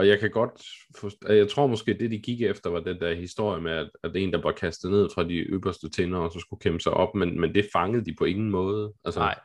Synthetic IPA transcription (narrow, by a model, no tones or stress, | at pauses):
ɒ̽jɑ̈ɪkʰæɡ̥ɒ̽d̥fɒ̥æjɑ̈ɪt͡sʰʁo̝ɐ̰mɒ̽sɡ̥e̝̰ːd̥e̝d̥iɡ̥iɡ̥efd̥ɐʋɑ̈d̥end̥æɐ̰hisd̥o̝ɐ̰jəmeæd̥æd̥e̝̰ːnd̥ɑ̈bʋɑ̈kʰæsd̥ð̩ˠne̝ð̰ˠfʁɑ̈d̥iʔø̰b̥ɐsd̥ət͡sʰenɐɒsɒ̽sɡ̥ukʰeməsɑ̈ɪʔɒ̽b̥menmend̥e̝fɑ̈ŋəð̞̩ˠd̥ipʰɒ̽e̝ŋn̩mɔ̽ːð̞̩ˠʔælsə